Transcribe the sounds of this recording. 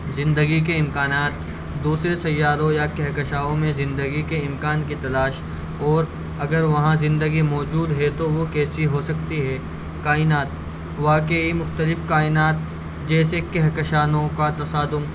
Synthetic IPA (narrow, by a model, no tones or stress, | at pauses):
zɪ̃nd̪əɡik̬eɪmkaːnaːt̪ | d̪uːsɾesɐjːaːɾõjakɛɦkɐʃaːõmẽzɪ̃nd̪əɡikeɪmkaːnkit̪ɐlaːʃ | ɔːɾ | ɐɡəɾʋɐɦãzɪ̃nd̪əɡimɔːd͡ʒuːd̪ɦɛt̪oʋokɛːsiɦosɐkt̪iɦɛː | kaːɪnaːt̪ | ʋaːkeimʊxt̪əlɪfkaːɪnaːt̪̚ | d͡ʒɛːsekɛɦkəʃaːnõkat̪ɐsaːd̪ʊm